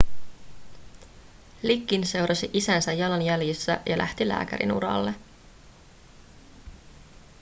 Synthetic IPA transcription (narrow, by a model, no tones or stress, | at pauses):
likːinse̞wɾʔɑsiʔisænsæjːɑlɑnjæljisːæ̰ʔjɑlʔæ̰ht̪ilæ̰ːkæ̰ɾḭnṵɾɑ̰lːe